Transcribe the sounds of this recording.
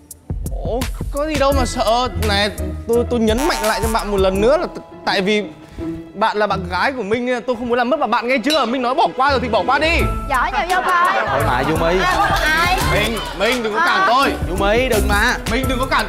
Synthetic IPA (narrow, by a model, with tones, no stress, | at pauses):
ʔʔo˨˩kɔ˨˦zi˨˩ɗə˧wmaː˨˩sə̰ː˧˨na˨˩t̪o˧jt̪o˧jɲə˨˦nma̰˧˨jŋ̟la̰ː˧˨jt͡ɕɔ˧ɓa̰ː˧˨nmo˨˩t̚lə˨˩nːɨ̰˧˥əlaː˨˩ | t̪a̰ː˧˨jvi˨˩ | ɓa̰ː˧˨nlaː˨˩ɓa̰ː˧˨nɣaː˨˦jku˧˩əmï˧ŋ̟ː˧˨t̪o˧jxə˧wŋ͡mmu˨˦lːmə˦˥maː˨˩ɓa̰ː˧˨nŋɛ˧t͡ɕɨ˨˧˦əʔəː˧˩mï˧ŋnɔ˨˦jɓɔ˧˩kwaː˧zt̪ʰi˨˩ɓɔ˧˩kwaː˧ɗi˧˨˧ | o˨˧maː˨˩zu˧mə˨˦jmi˧ŋ̟ | mï˧ŋ̟ɗɨ˨˩ŋkɔ˨˧˦kaː˧˩mt̪ʰo˧jzu˧mə˨˦jɗɨ˨˩k̚maː˨˩mï˧ŋ̟ɗ̪ɨ˨˩ŋkɔ˨˦kaː˧˩